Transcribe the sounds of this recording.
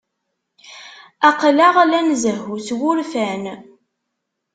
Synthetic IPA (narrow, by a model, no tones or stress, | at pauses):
æqlaʁlænzəhuθwʊɾfæn